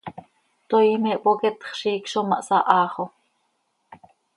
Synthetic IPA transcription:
t̪ojmeʔpokɛt̪χʃiːkʃomɑ̰ʔsɑʔɑːχo

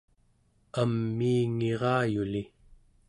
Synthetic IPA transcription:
amːiːŋeʁɑːjuli

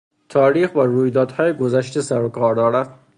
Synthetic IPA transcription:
t̪ʰɒːɾiːxbæɾuːjd̪ɒːd̪hɒːjeɡozæʃt̪esæɾokʰɒːɾd̪ɒːɾæft̪

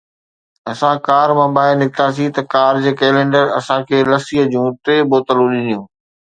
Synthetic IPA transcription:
ɐsãkaːɾmãːbaːɪnɪkɪt̪aːs̬it̪ɐkaːɾd͡ʑeːkɛːlẽːɳɖəɾɐsãkʰeːlɐsiːɦəd͡ʑũːt̪eːboːt̪əlũɗɪnijũː

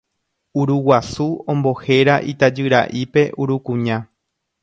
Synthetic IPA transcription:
uɾuwasuõmbohe̞ɾaʔit̪ad͡ʒɨɾa̰ʔipe̞ʔuɾukũɲã

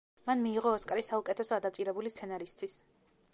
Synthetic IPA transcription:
manmiːʁɔːskʼɾisaukʼɛt̪ʰɛsɔad̪ap̚t̪ʼiɾɛbulist̪sʰɛnaɾist̪ʰwis

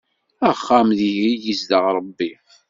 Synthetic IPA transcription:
əχːamðiɦijizd̪əʁɾˤəbːi

